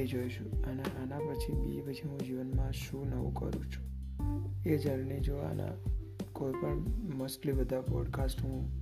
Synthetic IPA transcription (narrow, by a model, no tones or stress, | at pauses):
ed͡ʒojʃũanaʔanapət͡ʃʰibḭpət͡ʃʰiɦũd͡ʒiʋənmãʃũnəʋṵ̃kə̰ɾṵ̃t͡ʃʰu̥ | ed͡ʒaɾned͡ʒoa̰na̰ | koipəɳməsʈlibəd̪ʱabɔɖkasʈɦũ